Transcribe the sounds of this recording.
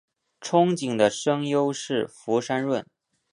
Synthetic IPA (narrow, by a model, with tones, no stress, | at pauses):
ʈ͡ʂʰʊ˥ŋt͡ɕi˨˩ŋd̪ə˦ʂɤ˥ŋjo˥ʊʂɻ̩˥˩fu˧˥ʂa˥nɻwə˥˩n